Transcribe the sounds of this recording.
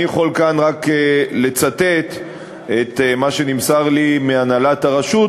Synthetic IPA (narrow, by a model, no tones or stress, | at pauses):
ijaχo̞lkanʁakele̞t͡sat̪e̞t̪ | et̪maʃe̞nimsaʁlimeanalataʁaʃut